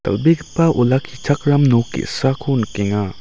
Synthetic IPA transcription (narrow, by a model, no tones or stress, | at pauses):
t̪ɐ̰lbikpaʔulakʰit͡ʃʰakɾamnokḭsakʰunkeŋa